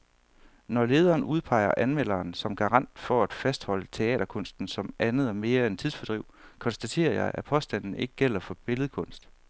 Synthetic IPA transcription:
nɒle̝ːð̞ˠɐːnuðˠpʰɑ̈ɪɐʔænmel̰ɐːnsɒ̽mɡ̥ɑ̈ʁɑ̈n̰d̥fɒ̽æd̥fæsd̥hɒ̽l̰ət͡sʰe̝ɛ̰ːd̥ɐkʰɔ̽n̰sd̥n̩sɒ̽mʔænð̞̩ˠɒ̽me̝ːɐent͡sʰiðˠsfɒd̥ʁiʊkʰɒ̽nsd̥æt͡sʰe̝̰ːɐjɑ̈ɪʔæpʰɒ̽sd̥æn̰n̩e̝ɡ̥əɡ̥el̰ɐfɒ̽b̥e̝ləð̩ˠkʰɔ̽n̰sd̥

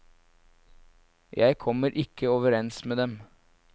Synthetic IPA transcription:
jæɪkʰɔməɾʔɪkʰːəoːʋəɾɛnsmeːd̪ɛm

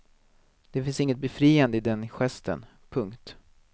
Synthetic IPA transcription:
d̪̥ɛfɪnsɪŋːət̪̚bɛfɾiːand̪əɪd̪ɛnɧɛst̪ə̰n | pʰɵŋkt̪

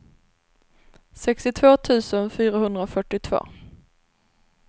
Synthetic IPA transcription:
sɛkst̪ɪt̪ʰvoːt̪ʰʉ̟ːsənfyːɾaɦɵnd̪ɾaɔfœʈːɪt̪ʰv̥o̰ː

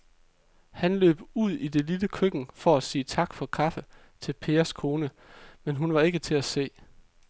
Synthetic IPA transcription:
hænlø̰ːb̥uð̰ˠid̥e̝liləkʰøɡ̥n̩fɒ̽æsiːt͡sʰɑ̈ɡ̥fɒ̽kʰɑ̈fə | t͡sʰe̝lpʰe̝ːɐskʰo̝ːnə | menɦunʋɑ̈e̝ɡ̥ət͡sʰe̝æse̝̰ː

